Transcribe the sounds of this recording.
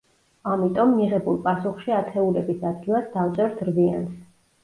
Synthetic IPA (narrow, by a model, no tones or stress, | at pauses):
amit̪ʼɔmːiʁɛbulˠpʼasuχʃiat̪ʰɛulɛbisad̪̚ɡilˠasd̪aft̪sʼɛɾt̪ʰɾbians